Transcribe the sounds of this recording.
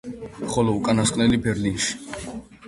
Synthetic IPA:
χɔlɔukʼanaskʼnɛlibɛɾlinʃi̥

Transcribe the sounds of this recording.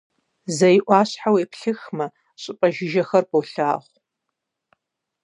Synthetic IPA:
zɐjʔʷɑːɕħaweːpʰɬɨxmɐ | ɕʼɪpʼɐʒɪʒɐxɐrpowɬaːʁʷ

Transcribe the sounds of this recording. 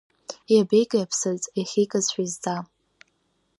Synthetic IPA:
jabejkʼjapʰsɨzʼeχʲikʼazħʷᶣazd͡za

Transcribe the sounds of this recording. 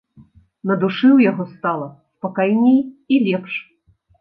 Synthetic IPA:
nɐd̪uʂɨwjaɣɔst̪alˠɐspɐkajnʲejilʲɛpʂ

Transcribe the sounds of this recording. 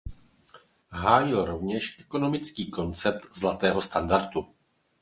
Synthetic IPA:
ɦaːjɪlɾo̞vɲɛʃʔɛko̞no̞mɪt͡skiːko̞nt͡sɛp̚t̪zlat̪ɛːɦo̞st̪andaɾt̪u

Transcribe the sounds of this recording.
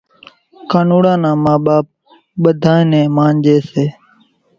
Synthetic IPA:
kaːnuːɽãːnãːmaːɓaːp̚ | ɓəd̪ʱaːẽːnẽːmaːnd͡ʒeːseː

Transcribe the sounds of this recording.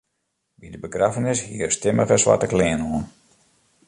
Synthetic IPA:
bidəbəkrafənɪshiərstɪməɣəsʋa̰təklɪːənoən

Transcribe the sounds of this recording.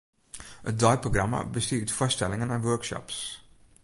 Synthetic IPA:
ət̚dajproɡrama̰bəstiːɹtfɔstɛlɪŋənɛnʋøɹkʃɔ̰ps

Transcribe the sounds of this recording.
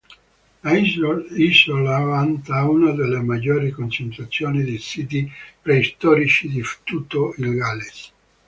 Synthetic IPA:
aiisolavant̪aunad̪elːemad͡ʒːoːɾikont͡ʃent̪ɾat̪sːjoːnid̪elsiːt̪̬ipɾeist̪ɔːɾit͡ʃid̪ift̪ut̪oilɡales

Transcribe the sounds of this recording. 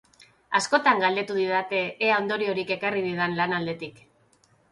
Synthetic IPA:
asko̞t̪aŋɡald̪e̞t̪uð̞iðat̪e̞ːaond̪o̞ɾio̞ɾike̞kariðiðanlanald̪e̞t̪ik

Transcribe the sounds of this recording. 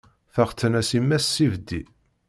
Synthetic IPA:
θæʁt͡s̪ːənæsimːæsːivd̪i

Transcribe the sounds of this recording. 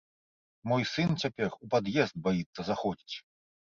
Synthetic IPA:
mɔjsɨnt͡sʲapʲɛrupad̪jɛzd̪̚bajit̪sːɐzaxɔd͡zʲit͡sʲ

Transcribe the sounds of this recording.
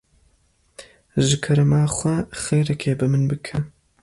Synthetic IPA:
ʒɨkʰɐɾɐmaːχʷɐχeːɾɐkʰeːbɨmɨnbɨkʰɐ

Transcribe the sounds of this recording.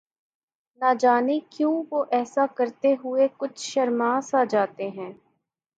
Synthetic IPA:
nad͡ʒaːnikjũːʋoːʔɛːsakɐɾt̪eɦʊekʊt͡ʃʰʃɐɾmaːsaːd͡ʒaːt̪eɦɛ̃ː

